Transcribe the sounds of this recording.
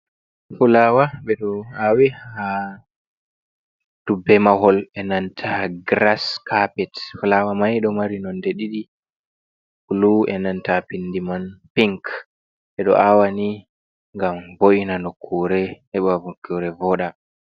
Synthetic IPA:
fulawaɓɛɗɔawiha | d̥ubɛmaɦɔlɛnantʰaɡɾaskʰapɛtfulawamajɗɔmaɾinɔndeɗiɗi | uluɛnantapindimanpiŋk | ɓɛɗɔ̰ʔawani | ŋɡamboʔinanokʰːuɾɛhɛɓavokːuɾɛvɔːɗa

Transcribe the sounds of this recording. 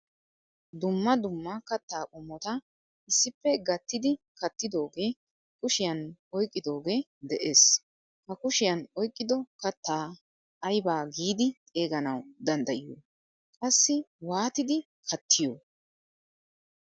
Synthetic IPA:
d̪ʊmːɐd̪ʊmːɐkɐt̪ːaːkʼʊmːɔt̪ɐ | ʔɪsːɪpːɛɡɐt̪ːɪd̪ɪkɐt̪ːɪd̪o̞ːɡe̞ː | kʼʊʃɪjɐnɔjkʼːɪd̪o̞ːɡe̞ː | d̪ɛʔeːs | hɐkʊʃɪjɐnɔjkʼːɪd̪ɔkɐt̪ːaː | ɐjbaːɡiːd̪ɪt̪ʼe̞ːɡɐnɐwd̪ɐnd̪ɐʔɪjoː | kʼɐsːɪwaːt̪ɪd̪ɪ | kʰɐt̪ʰːɪjoː

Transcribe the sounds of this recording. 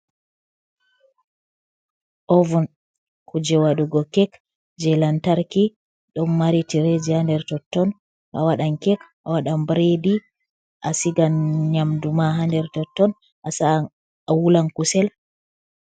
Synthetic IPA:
ʔɔvun | kud͡ʒɛwaɗuɡɔkɛk | d͡ʒɛlantaɾki | ɗɔnmaɾitiɾed͡ʒihandɛɾtɔtːɔn | ʔa̰waɗaŋkɛkʔawaɗambɾedi | ʔasiɡanɲamdumaɦandɛɾtɔtːɔn | ʔasa | awulankusɛl

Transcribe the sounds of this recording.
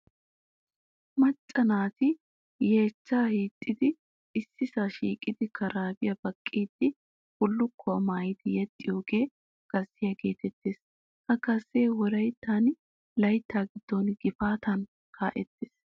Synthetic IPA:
mɐt͡ʃʼːɐnaːt̪ɪ | je̞ːt͡ʃːaːhiːt̪ʼːɪd̪ɪː | sːɪsaːʃiːkʼːɪd̪ɪkʰɐɾaːbɪjɐbɐkʼːiːd̪̥ɪ | hʊlːʊkʰːɔɐmaːjɪd̪ɪjɛt̪ʼːɪjo̞ːɡe̞ː | ɡ̥ɐzːɪjɐɡe̞ːt̪ɛt̪ːeːs | hɐkɐsːeːwɔɾɐjt̪ːaːn | lɐjt̪ːaːɡɪd̪̥ːonɡ̥ɪfaːt̪ɐn | kʰaːʔɛt̪ːe̥ːs

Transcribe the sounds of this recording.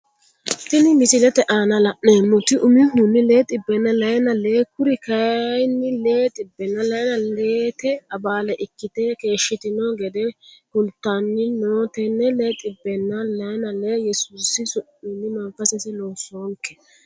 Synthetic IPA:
t̪ɪnɪmɪsɪlɛt̪ɛʔaːnɐlɐʔneːmʊt̪ɪʔʊmɪɦʊnːɪle̞ːt̪ʼɪbːɛnːɐlɐjnɐleːkʊɾɪkɐjnːɪleːt̪ʼɪbːɛnːɐlɐjnɐleːt̪ɛɐbaːlɛʔɪkːɪt̪ɛke̞ːʃːɪt̪ɪnoɡɛd̪ɛkʊlt̪ːanːɪnoːt̪ɛnːɛleːt̪ʼɪbːɛnːɐlɐjnɐleːjɛsuːsɪsʊʔʊnːɪmɐŋfɐsɛsɛloːsoːŋkːɛ̥

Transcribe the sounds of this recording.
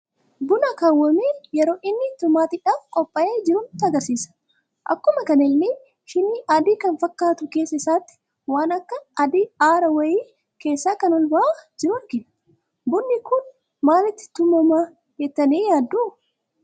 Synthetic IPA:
bʊnɐkaːwːɐmeːjɛɾo̞ːʔɪnːɪt̪ʊmːaːt̪ɪᶑaːfkʼɔpʼːɐʔeːd͡ʒɪɾʊnt̪ɪɐɡɐɾsiːsɐ̥ | ʔɐ̰kːʊmɐkɐnɪlːɪ | hɪnːɪʔad̪iːkɐnfɐkːaːt̪ʊke̞ːsːɐɪsaːt̪ːɪ̥ | waːnɐkːɐɐd̪iːaːɾɐwɐjiː | ke̞ːsːaːkɐnɔlbɐʔaːd͡ʒɪɾʊɾɡɪᶑɐ | bʊnːɪkʊn | maːlɪt̪ːɪ̥t̪ʊmːɔmaː | hɛt̪ːɐniːjaːd̪ːuː

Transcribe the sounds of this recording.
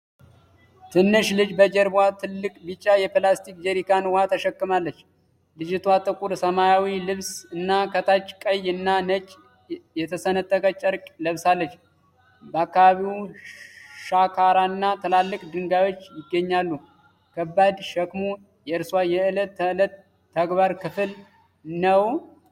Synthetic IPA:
t̪ʰɨnːɨʃlɨd͡ʒbəd͡ʒɛɾbwat̪ʰɨlːɨkʼbɨt͡ʃʼːajɛplast̪ik̚d͡ʒɛɾikʰanwat̪ʰəʃɛkːɨmalːət͡ʃː | lɨd͡ʒɪt̪ʰwat̪ʼɨkʼuɾsəmajawilɨβsɨnːakʰət̪ʰat͡ʃːkʼəjɨnːanət͡ʃʼː | jɛt̪ʰəsənət̪ʼːəkʼət͡ʃʼːəɾkʼləβsalːət͡ʃː | bəakːaβaβiw | ʃakʰaɾanːat̪ʰəlalːɨkʼd̪ɨŋɡajwo̞t͡ʃːjɪɡːəɲːalːu | kʰəbːad̪ʃɛkmo | jɛɨɾswajɛɨlət̪ːələt̪ʰː | əɡbaɾkʰɨfɨl | nəw

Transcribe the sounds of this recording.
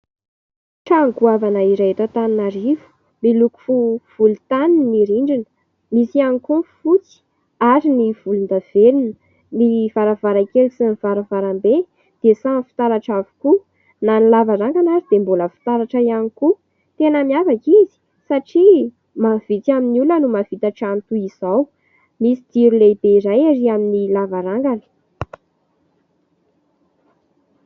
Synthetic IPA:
ʈ͡ʂaŋkuavanaiɾaet̪at̪aninaɾivu̥ | miluku̥fuv̥ulut̪aninniɾiɳɖ͡ʐinə̥ | misianikufut͡si̥ | aɾiniv̥ulund̪av̥elinə | miv̥aɾavaɾakelusiniv̥aɾavaɾambe | d̪̥esafi̥t̪aɾaʈ͡ʂavu̥ku | nanilavaɾaŋɡanaɾid̪emboləfi̥t̪aɾaʈ͡ʂaianiku | t̪enəmiavakizi̥ | saʈ͡ʂi | mav̥it̪aminulənumav̥it̪aʈ͡ʂant̪uiz̥aw | misid̪̥iɾilebeiɾajaɾiaminilavaɾaŋɡanə̥

